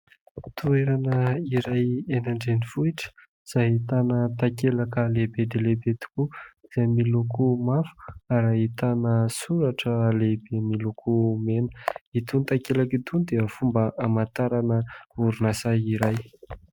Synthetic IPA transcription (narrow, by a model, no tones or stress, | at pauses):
t̪ueɾanəiɾajenaɳɖ͡ʐenifuiʈ͡ʂə̥ | iz̥aɦit̪anət̪akelakəlebed̪elebet̪u̥kuiz̥amilukumafu̥aɾait̪anəsuɾaʈ͡ʂəlebemilukʰumenə̥it̪unit̪akelakit̪unid̪eəfumbəʔamat̪aɾanəuɾunasaiɾaj